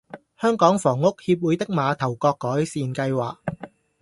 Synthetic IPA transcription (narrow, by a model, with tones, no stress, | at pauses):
hœː˥ŋkɔː˨˥ŋfɔː˨˩ŋːʊ˥k̚hiː˧p̬̚wuː˨˥jt̪ɪ˥k̚maː˨˧t̪ʰɐ˨˩wkɔː˧kːɔː˨˥jsiː˨nkɐ˧jwaː˨k̚